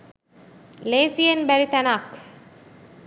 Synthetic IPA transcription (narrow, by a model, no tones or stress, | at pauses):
leːsienbæɾit̪ænaːk